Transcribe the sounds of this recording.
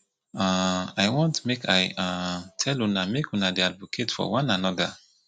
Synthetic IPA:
aajwɔ̃ntmekʰajãtʰɛlunamekunadiadvokʰetfɔ̰wãnanɔda

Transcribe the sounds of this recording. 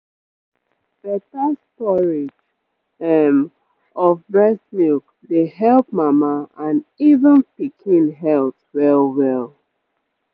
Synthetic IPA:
b̥ɛtastɔɹed͡ʒ | ɛm | ɔvbɹɛsmik | deɦɛlˠp̚mamaãnivə̃npikʰĩnɦɛltwɛlwɛl

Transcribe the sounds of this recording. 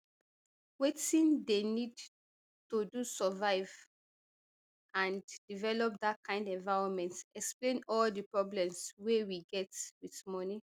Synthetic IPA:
wetĩndenid | todusɔvaɪv | ãnd̥ivɛlɔp̚datkʰãɪ̃ndɛ̃nvaɪɹɔ̃nmɛ̃ntɛksplẽnɔldəpɹɔblɛ̃mswewiɡɛtwitmɔni

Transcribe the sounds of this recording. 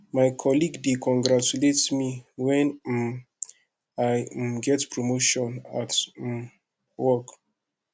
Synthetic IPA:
majkʰɔliɡdikʰɔ̃ŋɡɹat͡ʃuletsmiwɛ̃n | ajɡɛtpʰɹɔmoʃɔ̃nat | wɔk

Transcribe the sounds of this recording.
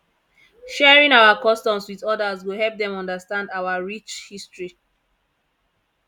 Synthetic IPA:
ʃɛɹĩŋawakɔstɔ̃mswiðɔdazwihɛlp̚dɛ̃mɔ̃ndastãndawaɹit͡ʃhistɹi

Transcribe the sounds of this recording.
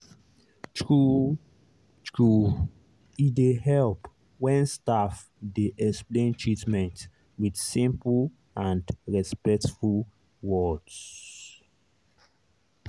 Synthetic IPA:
tɹu | tɹu | idehɛlp | wɛ̃nstaf | deʔɛksplẽntʰɹitmɛ̃nt | widsĩmpl | ʔãndɹɛspɛk̚tful | wɔds

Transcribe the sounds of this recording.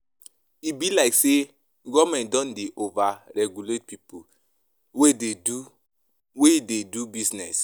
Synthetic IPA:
ibilaɪkse | ɡɔmɛ̃nt̚dɔ̃ndeʔovaɹɛɡjulet̚pipu | wededu | weidedubisnɛs

